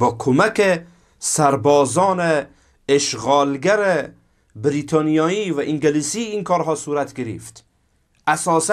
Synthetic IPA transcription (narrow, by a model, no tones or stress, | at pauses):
bɒːkʰomæke | sæɾbɒːzɒːneː | ʃɣɒːlɡæɾe | bɾit̪ʰɑːnijɒːivæʔiŋɡelisiːnkʰɒːɾɦɒːsuːɾat̪ɡeɾḭft̪ | æsɒːs